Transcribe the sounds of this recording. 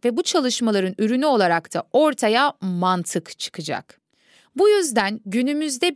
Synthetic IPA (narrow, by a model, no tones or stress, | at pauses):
vɛbut͡ʃʰalˠɯʃmalˠaɾɯnyɾynyo̞lˠaɾakt̪ʰa̰o̞ɾt̪ʰajamant̪ʰɯkt͡ʃʰɯ̥kʰɯd͡ʒa̰k | bujyzd̪ænɟynymyzd̪ɛ